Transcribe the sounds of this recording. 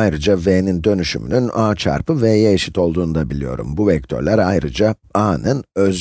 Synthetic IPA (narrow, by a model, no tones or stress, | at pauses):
ajɾɯd͡ʒaveːnind̪ø̞nyʃy̰my̰nynaːt͡ʃʰa̰ɾpʰɯvɛjeeʃit̪ʰo̞lˠd̪uːnd̪abilʲijo̞̰ɾṵmbuvɛc̚t̪ʰø̞̰ɾlʲæɾajɾɯd͡ʒa | aːnɯnøz